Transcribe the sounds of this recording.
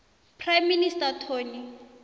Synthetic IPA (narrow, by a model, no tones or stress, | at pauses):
pʰrajmːinistatʰoːni